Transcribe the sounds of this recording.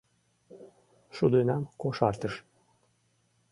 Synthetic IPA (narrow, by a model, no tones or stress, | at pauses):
ʃud̪ynɑmkoʃɑɾt̪əʃ